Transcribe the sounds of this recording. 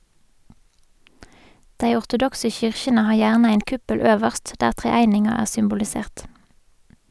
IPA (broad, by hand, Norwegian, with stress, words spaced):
ˈdeɪ ʊʁtʊˈdɔksə ˈçʏʁçənə ˈhɑːʁ ˈjæːʁnə ˈeɪn ˈkʉpəl ˈøːʋəʁst ˈdæːʁ ˌtʁeːˈæɪnɪŋɑ ˈæːʁ sʏmbʊlɪˈseːʁt